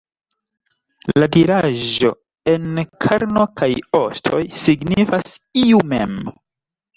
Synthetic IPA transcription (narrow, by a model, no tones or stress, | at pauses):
ladiɾaʒo̞̰ | e̞nkʰaɾno̞kʰajo̞stʰo̞jsiɡnifasiumem